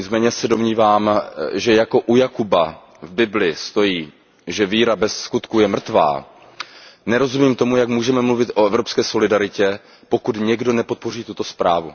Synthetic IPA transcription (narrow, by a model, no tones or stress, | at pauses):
ɲɪt͡smɛːɲɛsɛdo̞mɲiːvaːmʒɛjako̞ʔujakuba | vbɪblɪst̪o̞jiː | ʒɛviːɾabɛsːkut̪kujɛmr̩t̪va̰ː | nɛɾo̞zumiːmt̪o̞mujakmuːʒɛmɛmluvɪt̪ʔo̞ɛvɾo̞pskɛːso̞lɪdaɾɪcɛ | po̞kut̪ɲɛɡdo̞nɛpo̞t̪̚po̞riːt̪ut̪o̞spɾaːvṵ